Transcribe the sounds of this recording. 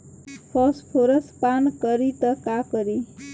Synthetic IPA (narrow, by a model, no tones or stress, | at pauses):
pʰɔspʰoɾəspankʌɾit̪ʌkakʌɾi